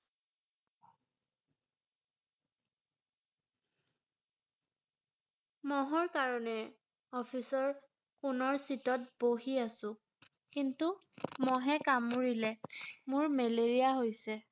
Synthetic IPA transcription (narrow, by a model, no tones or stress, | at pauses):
mɔɦɔɹkaɹɔnɛ | ɔpʰisɔɹ | kʊnɔɹsitɔt̚boɦiasʊ̃ | kintu | mɔɦɛkamuɹilɛmʊɹmeleɹijaɦojsɛ